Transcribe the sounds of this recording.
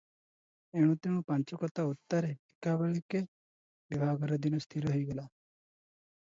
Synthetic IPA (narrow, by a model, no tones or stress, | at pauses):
eɽ̃ũt̪ẽũpant͡ʃɔkɔt̪aut̪ːaɾeikabeɭike | ʋibʱaːɡɔɾad̪inost̪ʰiɾoɦɔiɡela